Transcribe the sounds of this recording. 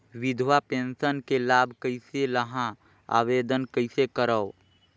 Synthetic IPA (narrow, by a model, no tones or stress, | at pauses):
wɪd̪ʱwapẽːnsənkelaːbʱkəɪseləɦã | a̰ʋeːd̪ənkəɪsekəɾəo